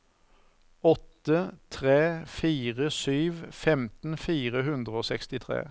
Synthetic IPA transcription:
ɔt̪ːət̪ʰʁeːfiːʁəsyːʋfɛmt̪n̩fiːʁəɦʉnd̪ʁəoːsɛkst̪ɪt̪ʰʁḛː

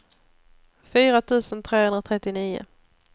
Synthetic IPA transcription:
fyːɾat̪ʰʉ̟ːsənt̪ʰɾeːhɵnɾat̪ʰɾɛt̪ːɪniːʊ̰

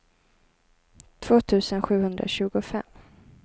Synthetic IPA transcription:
t̪ʰv̥oːt̪ʰʉ̟ːsənɧʉ̟ːhɵnd̪ɾa̰ɕʉ̟ːɡʊfɛmː

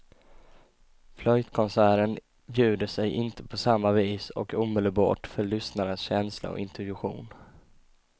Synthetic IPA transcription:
flɔjt̪kʰɔnsæːɾən | bjʉ̟ːd̪əsɛjʔɪnt̪ʰə̥pʰɔsamːaviːsɔ̰kuːmɛləlbɑ̰ːʈfœɭʏsnaɾənsɕɛnsla̰ɔ̰ɪnt̪ɵj̪ɵɧṵːn

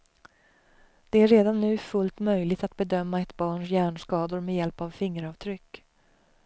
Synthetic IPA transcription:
d̪̥ɛæɾːeːd̪anːʉ̟ːfɵlt̪mœjlɪɡt̪at̪̚bɛd̪œmːaɛt̪bɑːɳʂjæːɳʂkɑːd̪ʊɾmɛjɛlpavfɪŋːəɾɑːvt̪ʰɾʏkː

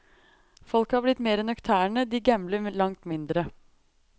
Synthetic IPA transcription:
fɔlkhɑːblɪt̪meːɾɛnœkt̪ʰæːɳəd̪iːɡɛmləlɑŋt̪mɪnd̪ɾə

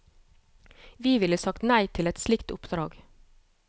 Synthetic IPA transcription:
ʋiːʋɪləsɑkt̪næɪt̪ʰɪlɛt̪slɪkt̪ʊ̰pd̪̥ɾɑːɡ

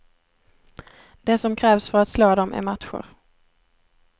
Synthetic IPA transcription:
d̪̥ɛsɔmkʰɾɛːvsfœɾat̪sloːd̪ɔmʔæ̰ɾmat̪ɧʊ̰ɾ

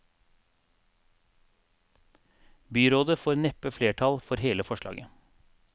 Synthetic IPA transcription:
byːɾoːd̪əfoːɾnɛpəfleːʈʰɑlfɔɾheːləfɔʃlɑ̰ːɡə

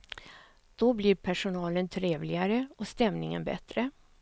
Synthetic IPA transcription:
d̪̥ɔblɪɾpʰæʂʊnɑːlənt̪ʰɾeːvlɪɡaɾəɔst̪ɛmnɪŋə̰nbɛ̰t̪ɾə

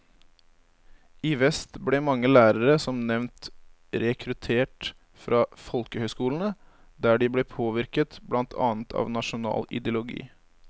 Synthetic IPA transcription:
ɪʋɛst̪blɛmɑŋːəlæːɾəɾəsɔmnɛʋnt̪ | ɾɛkʰɾʉt̪ʰeːʈ | fɾʔɑːfɔlkəhœʏskuːln̩ə | d̪æːɖɪblɛːpʰoːʋɪɾkət̪blɑnt̪ʰɑ̰ːnt̪ʰɑ̰ːʋnɑʃʊnɑ̰ːlɪ̰d̪ɛʊlʊɡḭː

